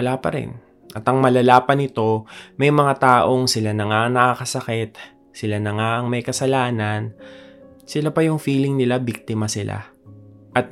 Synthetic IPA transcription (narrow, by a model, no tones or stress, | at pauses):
laːpɐɾɪ̰n | ʔɐt̪ɐŋmɐlɐlaːpɐnɪt̪o̞mɐjmɐŋat̪aːʔo̞ŋsɪlanɐŋaŋnɐkakɐsɐkɛt̪̚ | sɪlanɐŋaʔɐŋmɐjkɐsɐlaːnɐn | sɪlapɐjʊŋfiːlɪŋnɪlabik̚t̪ɪmɐsɪlʔa̰ʔɐt̪̚